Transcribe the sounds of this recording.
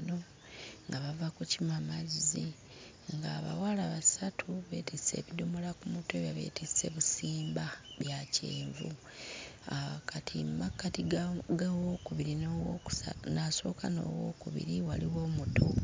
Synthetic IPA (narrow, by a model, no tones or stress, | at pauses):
no̞ | ŋɡaβavakucimamazi | ŋɡaːβa̰walaβasatʰuβe̞̰ːtise̞̰ːβidumolakumutoβjaβe̞̰tʰise̞̰βusiːmbaβjacḛːɱvṵ | aakatʰimakːatiɡawoːkuβiɾinoːwou̥sanaso̞̰ːkano̰ːwoːkuβḭɾiwaliwo̞ːmuto